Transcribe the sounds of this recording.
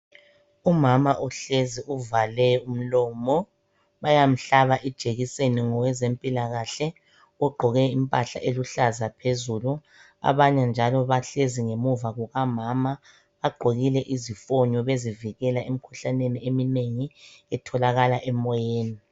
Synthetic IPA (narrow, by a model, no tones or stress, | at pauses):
umamaʔuɬeziʔuvalɛum̩lɔːmɔ | βajam̩ɬaβaʔɛd̥ʒ̥ʱeɣiseniŋɔwɛzempʼilaɣaɬɛ | uɡ͡ǃʱɔɣɛimpʼaɬa̰ʔeluɬazapʰezulu | a̰βaɲand͡ʒʱalɔβaɬeziŋemuvaɣuɣamama | βaɡ͡ǃʱoɣilɛʔizifɔɲɔβeziviɣɛlaem̩kʰuɬaneniemineŋiɛtʰɔlaɣalaʔɛmɔjeːni